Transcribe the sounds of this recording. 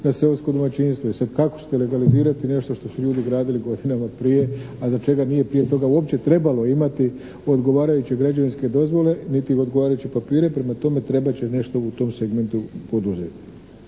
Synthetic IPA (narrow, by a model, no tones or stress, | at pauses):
naseosko̞d̪omat͡ɕinst̪ʋo̞isad̪kako̥t͡ɕe̥t̪ele̞ɡaliziːɾat̪ine̞ʃt̪o̞ʃt̪o̞suʎuːd̪iɡɾaːd̪iliɡo̞d̪inamapɾije̞azat͡ʃe̞ɡanije̞pɾije̞t̪o̞ɡauopt͡ɕe̞t̪ɾe̞balo̞imat̪i | o̞d̪ɡo̞ʋaːɾajut͡ɕeɡɾad͡ʑʋinske̞d̪o̞zʋo̞le̞nit̪iod̪ɡoaːɾajut͡ɕipapiːɾe̞pɾe̞mat̪o̞me̞t̪ɾe̞bat͡ɕene̞ʃt̪o̞ut̪o̞mseɡme̞nt̪upo̞d̪uzḛt̪i